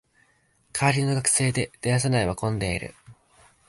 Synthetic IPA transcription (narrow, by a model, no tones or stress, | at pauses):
kʰaːɾʲino̞ɡakɯ̥se̞ːd̪e̞d̪̥e̞jas̬anaiβakõ̞nd̪e̞ḭɾɯ̟̰